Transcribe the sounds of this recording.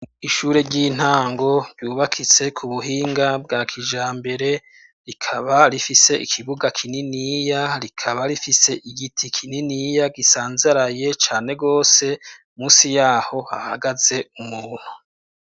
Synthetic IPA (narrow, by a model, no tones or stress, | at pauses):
iʃuːɾe̞ɾɟiːn̥haːŋɡo̞ɾɟuːβakʰit͡se̞kʰuβuɦiːŋɡabɡaːkʰid͡ʒaːmbe̞ɾe̞ | ɾikʰaβaɾifise̞ʔḭkʰiβuɡakʰininijaɾikʰaβaɾifise̞ʔiɡitʰikʰininijaɡisaːnzaɾaje̞t͡ʃaːne̞ɡo̞ːse̞ | muːsijaːho̞a̰haɡaze̞umuːn̥hu